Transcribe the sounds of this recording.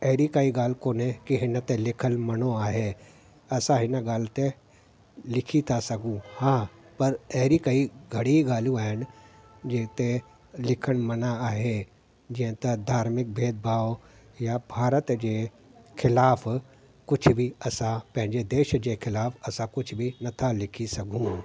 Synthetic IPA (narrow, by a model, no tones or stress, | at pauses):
ɐɦɾikaiɡaːlkoːnẽkiɦɪnt̪ẽlɪkʰənmɐnoaːɦe | ɐsãɦɪnəɡaːlt̪ẽ | lɪkʰit̪ʰasɐɡũhãː | pɐɾɐɦɾikɐiɡʱɐɽiɡaːlũaːɦɪn | d͡ʒeːt̪e | lɪkʰənmɐnaaːɦe | d͡ʒɪə̃t̪ɐd̪ʱaːɾmɪk̚bʱeːd̪̚bʱaːʋ | jabʱaːɾət̪d͡ʒeː | kʰɪlaːpʰ | kʊt͡ʃʰbʱiɐsãpɐ̃ɦɪ̃ɲd͡ʒed̪eːʃd͡ʒekʰɪlaːfɐsãkʊt͡ʃʰbʱinɐt̪ʰalɪkʰisɐɡʱũ